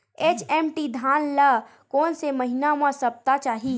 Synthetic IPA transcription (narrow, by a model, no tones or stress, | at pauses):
et͡ʃemʈid̪ʱanlə | koːnseməɦinamə̃səb̚t̪at͡ʃaːɦi